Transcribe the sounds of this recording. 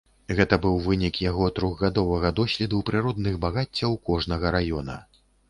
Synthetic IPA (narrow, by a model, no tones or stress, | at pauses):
ɣɛt̪ɐbɨwvɨnʲikjaɣɔt̪ɾuɣɣad̪ɔvɐɣɐd̪ɔsʲlʲɛd̪uwpɾɨɾɔd̪̚nɨɣbaɣat͡sʲːɐwkɔʐnɐɣɐɾajɔnɐ̰